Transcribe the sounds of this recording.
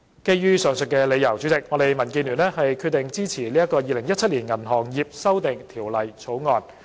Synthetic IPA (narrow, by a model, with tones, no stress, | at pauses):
ke˥jjyː˥sœː˨˩ŋsɵ˨t̚kɛː˧le˨˧jɐ˨˩wt͡sy˨˥t͡sɪ˨k̚ŋɔː˨˧t̪e˨˩jmɐ˨˩nkiː˧nlyː˨˩nɛː˥hɐ˨jkʰyː˧t̪̚ɪ˨ŋt͡siː˥t͡sʰiː˨˩liː˥ɐ˥kɔː˧jiː˨˧lɪ˨˩ŋjɐ˥t̚t͡sʰɐ˥t̚liː˨˩nŋɐ˨˩nɦɔː˨˩ŋjiː˨p̚sɐ˥wt̪ɪ˨ŋt̪ʰiː˨˩wlɐ˨˩jt͡sʰo˨˥wŋɔː˧n